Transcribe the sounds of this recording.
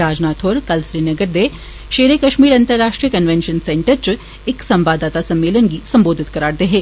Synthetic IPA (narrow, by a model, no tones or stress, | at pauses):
aːd͡ʒnaːt̪ʰoːɾkɐlsɾiːnɐɡəɾd̪e | ʃeːɾekɐʃmiːɾɐ̃nt̪əɾːaːʃʈɾijəkɐnʋẽnʃənsɛ̃ːɳʈəɾt͡ʃ | ɪksɐ̃mbaːd̪aːt̪asɐ̃mːeːlənɡisɐ̃mboːd̪ʱɪt̪kɐɾaːɽd̪eːɦeː